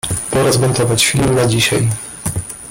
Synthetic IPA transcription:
pɔɾɔzmɛnt̪ɔvat͡ɕfʲilnad͡ʑiɕa̰j

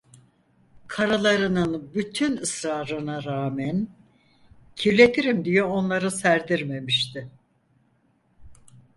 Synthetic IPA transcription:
kʰaɾalˠaɾɯnɯnbyt̪ʰynɯsɾaːɾɯnaɾaːmæn | cʰiɾlʲe̞t̪ʰiɾimd̪ijoonlˠaɾɯsæɾd̪iɾme̞miʃt̪ʰɪ

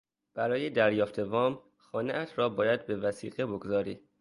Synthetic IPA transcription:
b̥æɾɒːjed̪æɾjɒːft̪ʰe̞vɒːm | xɒːneʔæt̪ʰɾɒːbɒːjæd̪̚be̞væsiːɣeboɡzɒːɾiː

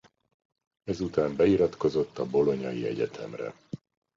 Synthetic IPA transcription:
ɛzut̪aːmbɛiɾɒt̪ko̞zo̞t̪ːɒbo̞lo̞ɲɒjiɛɟɛ̰t̪ʰɛ̰mrɛ̰

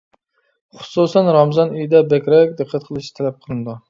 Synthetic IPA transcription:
χʊ̥susɛnɾɑmzɑnyjd̪ɛbɛkʲɾɛk̚ʲd̪ɨqʰːæt̪̚qʰəlˠɨʃt̪ʰɛlɛp̚qʰəlˠɨnɨd̪u

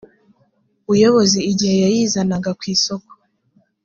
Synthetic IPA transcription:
ujo̞βo̞ziːɟihe̞jajiːzanaɡakwiːso̞ko̥

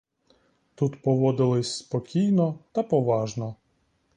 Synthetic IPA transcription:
t̪ut̪pɔʋɔd̪ɪlˠɪsʲspɔkʲijnɔt̪ɐpɔʋɑʒnɔ

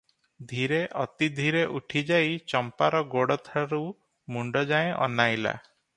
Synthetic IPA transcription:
d̪ʱiɾeʔɔt̪id̪ʱiɾeʔuʈʰid͡ʒajt͡ʃɔmpaɾɔɡoɽɔt̪ʰaɾu | muɳɖɔd͡ʒaẽʔɔ̰najla̰

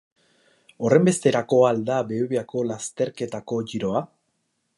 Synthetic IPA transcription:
o̞re̞mbe̞st̪e̞ɾako̞ald̪abe̞uβeako̞last̪e̞ɾke̞t̪ako̞ʝiɾo̞a

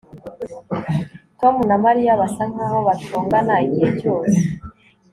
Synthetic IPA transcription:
to̞munamaɾijaβasaŋ̥aho̞βatuːŋɡanaɟijecoːse

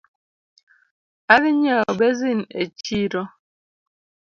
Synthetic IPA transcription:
aliɲabezinḛt͡ʃiɾɔ

